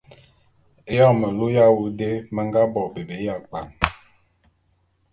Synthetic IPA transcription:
e˦jɔ˦˨mə˨lu˦ja˦wu˨de˦mə˦ŋ˦ɡa˦bɔ˨be˨be˨˦ja˦˨k͡pa˨ŋ

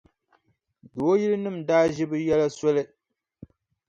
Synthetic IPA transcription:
do˨˦ji˦lɨ˦nɨ˦˨m̩daː˦ʒɪ˦bɨ˦jɛ˦la˦sɔ˦lɨ˦

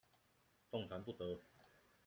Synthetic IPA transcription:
t̪o˥˨ŋt͡sʰa˧˦npu˥˨˩t̪ɤ˨˦

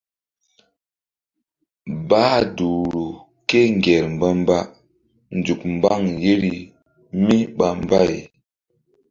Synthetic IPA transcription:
baː˦˨du˨ɾu˨ | ke˦ŋɡe˨ɾm̩˨bə˦mba˦ | n˨d͡ʒu˨k̚m˨ba˦˨ŋje˦ɾi˨ | mi˦ɓa˨m˨ba˦˨j

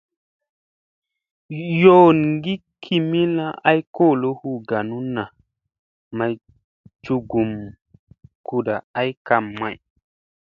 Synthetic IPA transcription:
jo˦˨nŋɡi˦kʰi˨mi˦la˦ʔa˦jko˦˨lo˦hu˦˨ɡa˨nu˦na˨ | ma˨j | t͡ʃu˨ɡu˨m | ku˨da˨a˦jka˨mːa˨j

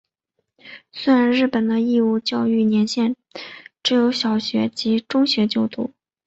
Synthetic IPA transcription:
swe˥ɪɻa˧˥nɻɻ̩˥˩pə˨˩nd̪ə˦i˥˧u˥˧t͡ɕjɑ˥˧ʊy˥˩njɛ˧˥nɕjɛ˥˧n | ʈ͡ʂɻ̩˧˥jo˧˥ʊɕjɑ˨˩ʊɕɥɛ̰˧˥t͡ɕi˧˥ʈ͡ʂʊ˥ŋɕɥɛ˧˥t͡ɕjo˥˧ʊt̪ṵ˥˩

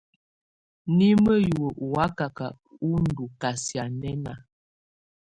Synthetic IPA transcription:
ni˦mə˦ju˨o˨ʔwa˨˦ka˨ka˨ | u˦n̩˦du˨ka˨sja˨nɛ˦na˨

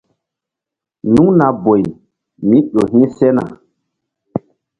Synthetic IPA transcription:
nũ˦na˨bo˨j | mĩ˦ɗo˨ɦĩ˦sɛ˦na̰˨

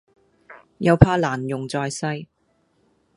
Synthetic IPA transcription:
jɐ˨˧wpʰaː˧laː˨˩njʊ˨˩ŋt͡sɔː˨˧jsɐ˧˥j

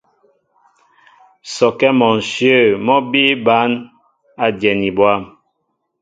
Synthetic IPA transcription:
sɔ˨kɛ˦mɔ˨n˨sjə˦˨mɔ˦bi˦ba˨˦n | a˦djɛ˨ni˨bwa˦˨m

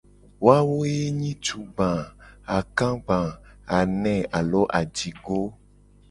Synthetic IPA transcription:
wo˦a˦wo˦je˦ɲĩ˦t͡ʃu˨ɡ͡bã˨a˨kã˦ɡ͡bã˨a˨nɛ̃˨a˨lɔ˦ʔa˨d͡ʒi˨ɡo˦

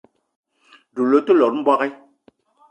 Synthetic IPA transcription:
du˨lo˨˦tə˦lɔ˨ɾm̩˦bwa˦ɣɛ˦

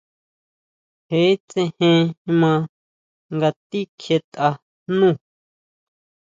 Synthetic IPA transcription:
he˨˦t͡sẽ˧hẽ˧mã˧ | ŋɡa˧t̪i˦kʰje˧t̪ʔa˧ | nũ˦˨

